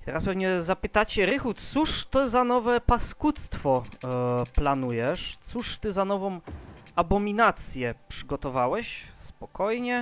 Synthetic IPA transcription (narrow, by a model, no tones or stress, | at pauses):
t̪ɛɾaspɛvɲɛzapɘt̪at͡ɕɛɾɘxut̪suʂt̪ɔzanɔvɛpaskut̪st̪fɔ | planujɛʂt̪suʂt̪ɘzanɔvɔ̃mʔabɔmʲinat̪sʲjɛpʂɘɡɔt̪ɔvawɛɕspɔkɔjɲɛ